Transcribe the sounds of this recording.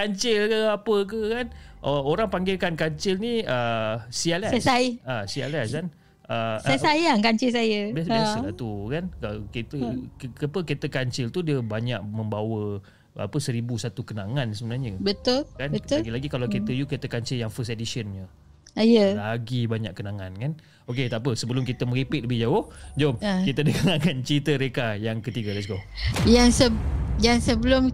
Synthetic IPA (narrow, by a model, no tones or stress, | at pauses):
kaɲt͡ʃɪlkəapək̬əkanʔəoɾaŋpaŋɡɪlkankaɲt͡ʃɪlniəsialasaiasia̰lɛsan | ʔəsasajaŋkaɲt͡ʃɪlsajəbsbsat̪ukankaket̪əkapəket̪əkaɲt͡ʃɪlt̪udiəbaɲaʔ̚mə̃mbawə | a̰pəsəɾibusat̪ukənaŋansəbənarɲəbət̪ʊlkanbət̪ɡilaɡikalawket̪əjuket̪əkaɲt͡ʃɪljaŋfəstedisənɲə | ajəlaɡibaɲaʔkənaŋankan | oket̪apəsəbəlʊmkit̪əməɾipɪt̪̚ləbɪhd͡ʒaʊhd͡ʒomkit̪ədəɡaŋakant͡ʃit̪əɾekajaŋkət̪iɡalɛts̬ɡojaŋsəjaŋsəbəlʊm